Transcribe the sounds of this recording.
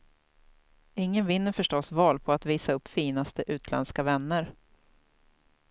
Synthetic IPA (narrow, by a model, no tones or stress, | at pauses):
ɪŋːənvɪn̪ːəɾfœʂʈɔsvɑːlpʰɔat̪viːsaɵpːfiːnast̪əʔʉ̟ːt̪ʰlɛ̰nskavɛnːəɾ